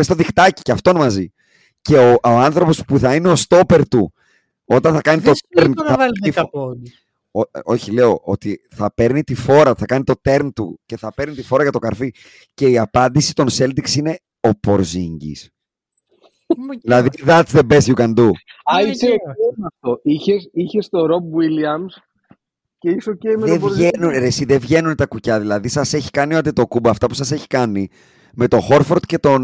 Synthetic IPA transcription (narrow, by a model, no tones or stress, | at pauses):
est̪oðixt̪ɐci̥ceɐft̪o̞nmɐzi | ce̞ooɐnθɾo̞po̞spuθɐineo̞st̪o̞pe̞ɾt̪u | o̞t̪ɐnθɐkɐnit̪oeɾnɐif | oo̞çile̞o̞ʔo̞t̪iθɐpe̞ɾnit̪ifo̞ɾɐθɐkɐnit̪o̞t̪e̞ɾnt̪ṵce̞θɐpe̞ɾnit̪ifo̞ɾɐʝɐt̪o̞kɐɾfi | ce̞iɐpɐnd̪isi̥t̪o̞nse̞ld̪iksine̞ | o̞poɾziɲɟḭs | ðilɐðit̪iðɐt̪t͡sðe̞be̞sçukɐnd̪uɐiseeɐft̪oiçesiçest̪o̞ɾobwiliɐms | ceisocemeevʝenunɾesiðevʝe̞nunt̪ɐkucɐðilɐðisɐse̞çi̥kɐnioɐt̪̬et̪o̞kubɐːft̪ɐpusɐse̞çi̥kɐni | me̞t̪o̞xo̞ɾfoɾt̪ce̞t̪o̞n